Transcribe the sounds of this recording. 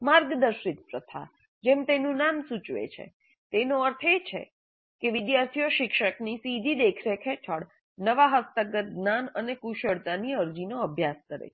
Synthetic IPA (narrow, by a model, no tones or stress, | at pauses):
maɾɡd̪əɾʃit̪̚pɾət̪ʰa̰ | d͡ʒemt̪enũnamsut͡ʃʋḛt͡ʃʰḛ | t̪enoəɾt̪ʰet͡ʃʰḛ | keʋɪd̪jaɾt̪ʰijoʃɪkʃəknisid̪ʱid̪ekʰɾekʰet͡ʃʰəɽ | nəʋaɦəst̪əɡət̪̚ɡnanənekuʃəɽt̪aniəɾd͡ʒinoəbʱjaskəɾḛ